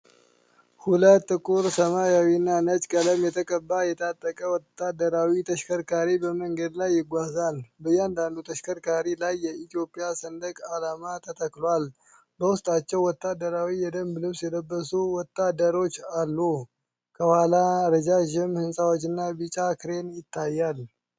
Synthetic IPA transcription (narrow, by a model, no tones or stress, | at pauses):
hulət̪ːɨkʼuɾsəmajawinːanət͡ʃʼkʼələmjɛt̪ʰəkʼəbːajɛt̪ʰat̪ʼːəkʼəwɔt̪ːad̪əɾawit̪ʰəʃkʰəɾkʰaɾibəməŋɡəd̪lajːɪɡʷazalbəjːɛand̪and̪ut̪ʰəʃkʰəɾkʰaɾilajːɛit̪ijo̞pʼijasənd̪əkʼalamat̪ʰət̪ʰəklwal | bəwʊst̪ʼat͡ʃːɛwːɔt̪ʰːad̪ːəɾawijɛd̪əmblɨβsjɛd̪əbːəsuwɔt̪ːad̪əɾo̞t͡ʃːalːu | kʰəwhalaɾəd͡ʒaʒɪmhɨnsʼawot͡ʃːɪnːabɨt͡ʃʼakʰɨɾe̞njɪt̪ʰːajːal